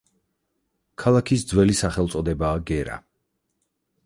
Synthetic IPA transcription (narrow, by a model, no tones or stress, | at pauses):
kʰalˠakʰisd̪zwɛlisaχɛlˠt̪sʼɔd̪ɛbaːɡɛɾa̰